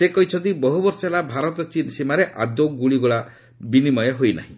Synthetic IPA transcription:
sekɔɦit͡ʃʰɔnt̪̬ibɔɦubɔɾsɔelabʱaɾɔt̪ɔt͡ʃinsimaɾeʔad̪oɡuɭiɡuɭa | binimɔjɔɦojna̰ɦĩ

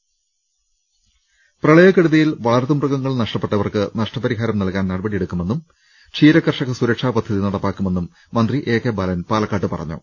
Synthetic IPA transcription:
prɐɭɐjɐkːeɽuðɐjilʋɐɭɐrt̪umrɐɣɐŋːɐɭnɐʂʈɐpːe̞ʈːɐʋɐrkɨnɐʂʈɐpɐɾiɦaːɾɐmnɐlkaːnnɐɽɐbɐɽijeɽukːume̞nːum | t͡ɕʰiːɾɐkːɐrʂɐɣɐsuɾɐkʂaːpɐd̪ʱːɐðinɐɽɐpːaːkːume̞nːumː | ɐnd̪riʔe̞ːkːebɐːlɐnpaːlɐkːaːʈːɨpɐrɐ̰ɲːṵ

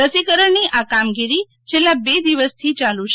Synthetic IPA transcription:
əsikəɾəɳniʔakamɡiɾi | t͡ʃʰelːabed̪iʋəst̪ʰit͡ʃalut͡ʃ

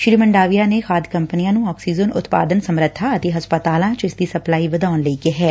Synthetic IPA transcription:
ʃɾiːməɳɖaːʋijaːneːxʰaːd̪kə̃mpənijãːnũːɔːksiːd͡ʒənʊ̰t̪pa̰ːd̪ənsəmɾət̪ʰːaət̪eːɦɐspət̪aːlãːt͡ʃɪsd̪iːsəplaːiːʋəd̪aːʊnləiːkeɦɛː

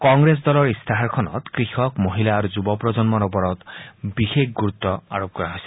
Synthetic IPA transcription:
kɔŋɡɾes̬d̪ɔlɔɹist̪ʰaɦaɾkʰɔnɔ̰t̪kɾixɔkmoɦilaːɾuzubɔpɾɔd͡ʒɔnmɔɾɔpɔɾɔt̪bixekʰɡuɾut̪ːɔa̰ɹop̚kɔɹaɦojse̥

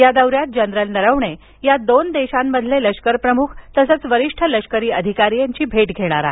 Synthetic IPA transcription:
jad̪əwɾjat̪̚d͡ʑənɾəlnəɾəʋɳe | jad̪ond̪eɕamːəd̪ʱleləʂkəɾpɾəmukʰt̪əsət͡sʋəɾiʂʈʰələʂkəɾiːəd̪ʱikaɾiːjaɲt͡ɕiːbʱeʈɡʱeɽ̃aɾa̰

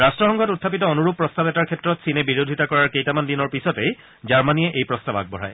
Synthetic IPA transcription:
ɹastɹɔxɔŋɡʱɔtutʰːapitɔɔnuɹup̚pːɹɔstabɛtaɹkʰɛtɹɔtsinɛbiɹodʱitakɔɹaɹkejtamandinɔɹpisɔtej | zaɹmanijɛʔejpɹɔstaba̰ɡ̚bɔɹa̰j

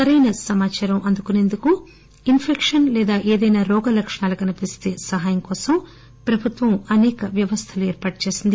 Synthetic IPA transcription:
sɐɾɐjnɐsɐmaːt͡ʃaːɾɐmʔɐnd̪ukune̞ːnd̪uku | inpʰekʂɐnlɛːd̪aːʔeːd̪ɐjnaːɾɔːɡɐlɐkʂɐɳaːlukɐnipist̪eːsɐɦaːjɐŋkɔːsɐm | pɾɐbʱut̪ʋɐmɐnɛːkɐʋjɐʋɐst̪ʰɐluɛːɾpaːʈut͡ʃe̞ːsind̪i

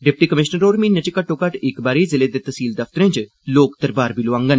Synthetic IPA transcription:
ɖɪp̚ʈiːkəmɪʃnəɾoːɾmĩːnət͡ʃekəʈːoːkəʈɪkbaːɾiːzɪleːd̪eːt̪əsiːld̪əft̪əɾẽːt͡ʃ | loːkd̪əɾbaːɾbiːloʋãːŋɡən

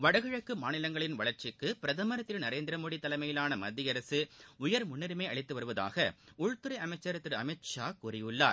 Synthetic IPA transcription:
ʋɐɽɐɣɯɻɐkːɯmaːnɪlɐŋɡɐɭɪnʋɐɭɐɾt͡ʃɪkːɯpɪɾɐðɐmɐɾɐt̪ːɪlnɐɾeːnd̪ɪɾɐmoːɽit̪ːɐlɐɪmɐjɪlaːnɐmɐd̪ːɪjɐɾɐsɯʊjɐɾmʊnːɪɾɯmeːɐɭɪt̪ːɯʋɐɾɯʋɐða̰ːɣɐʊɻt̪ɯɾɐɪɐmɐɪt͡ʃːɐɾt̪ːɪɾɐmɛt͡ʃaːkuːɾɪʋɯlːa̰ːɾ

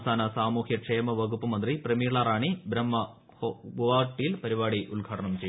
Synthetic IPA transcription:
saːnɐsaːmuːhjɐʈʂeːmɐʋɐɡupːɐmɐnd̪riprɐmijɭaːɾaːɳibɾɐmːɐ | ɡuʋaːʈːijilpɐɾiʋaːɽiʔuɭɡʱaːʈʰɐɳɐmt͡ɕej

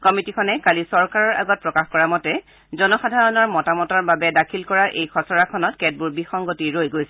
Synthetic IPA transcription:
kɔmitikʰɔnɛkalisɔɹkaɹɔɹʔa̰ɡɔt̚pɹɔkaxkɔɹamɔtɛ | zɔnɔxadʱaɹɔnɔɹmɔtamɔtɔɹbabɛdakʰilkɔɹaʔejkʰɔsɔɹakʰɔnɔtkɛd̚buɹbixɔŋɡotiɹojɡojsɛ

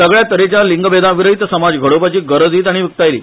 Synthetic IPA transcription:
əɡɭjat̪əɾet͡ɕjaliŋɡbed̪ãʋiɾəit̪səmad͡zɡʱəɽopat͡ɕiːɡəɾəd͡ziːt̪̬aɽ̃iʋikt̪ajlḭː

